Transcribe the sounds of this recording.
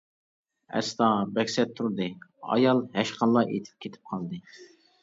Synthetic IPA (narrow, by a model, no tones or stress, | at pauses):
ɛ̰st̪ɑbɛkʲsɛt̪ʰːuɾd̪ɨɑ̰jɑlˠɦɛʃqɑlˠːɑʔḛt̪ʰɪ̥p̚kʲʰet̪ʰɪ̥p̚qʰɑlˠd̪ɨ